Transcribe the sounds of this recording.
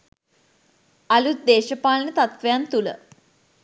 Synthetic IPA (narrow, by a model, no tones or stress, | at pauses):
ɐlut̪̚d̪eːʃəpaːlənət̪at̪ʋejant̪ulə̰